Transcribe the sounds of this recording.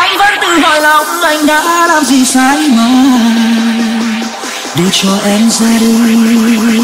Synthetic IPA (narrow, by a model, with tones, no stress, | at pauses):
ʔa˧jŋ̟və̰˧˥nt̪ɨ˨˩ɦəː˨˩jlə˨˧˩wŋ͡mʔa˧jŋ̟ɗaː˧˦laː˨˩mzi˨˩saː˧˦jmɔ˨˦ | ɗe˨˧˩t͡ɕɔ˧ʔɛ˧mzə˧ɗi˧